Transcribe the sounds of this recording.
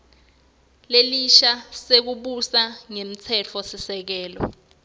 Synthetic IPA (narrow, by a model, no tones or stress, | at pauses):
leliʃasek̬uɓusaŋemit͡sʰɛt͡fʰɔsisɛk̬ɛːlɔ̰